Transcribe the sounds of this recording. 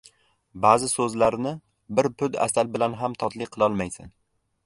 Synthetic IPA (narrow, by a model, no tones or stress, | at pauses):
baːzɪsɵzlaɾnɪ | bɪɾpʰʊd̪a̰salbɪlanɦamt̪ʰɒt̪ʰlɪqʰɨlˠɒlˠmajsɪn